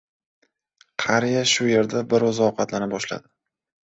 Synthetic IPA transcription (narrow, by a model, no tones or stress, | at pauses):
qʰɑɾijaʃʊje̞ɾd̪abɪɾɒzɒwqʰɑt̪lanɪbɒʃla̰d̪ɪ̥